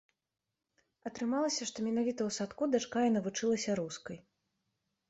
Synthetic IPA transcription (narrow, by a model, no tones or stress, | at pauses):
ɐt̪ɾɨmalˠɐsʲɐʂt̪ɔmʲɛnavʲit̪ɐwsat̪kud̪at͡ʂkajɐnɐvut͡ʂɨlˠɐsʲɐɾuskɐj